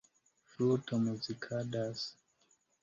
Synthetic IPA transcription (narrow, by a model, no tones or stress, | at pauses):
fɾutomuzikʰadas